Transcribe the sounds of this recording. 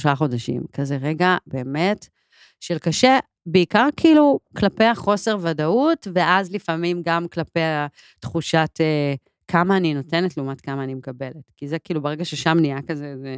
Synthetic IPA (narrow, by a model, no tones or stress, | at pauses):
oʃaχo̞daʃḭmkazeʁeɡabe̞ːme̞t | ʃelkaʃe | beikaʁkʰiiluklape̞jaχo̞se̞ʁvadautveʔazlifamimɡamklapeja | tχuʃate | kʰamaːnino̞te̞netleumatkamaːnimekabe̞letkizekiːlubeʁeɡaʃeʃamnijakazeze